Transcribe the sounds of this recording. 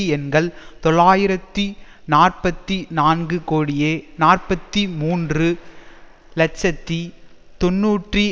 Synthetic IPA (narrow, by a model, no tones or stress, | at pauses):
ɛnɡɐɭt̪ɔɭaːjɪɾɐt̪ːi | naːrpɐt̪ːinaːnɡɯkoːɽɪjeːnaːrpɐt̪ːimuːndrɯ | lɐt͡ʃːɐt̪ːit̪ɔnːuːʈri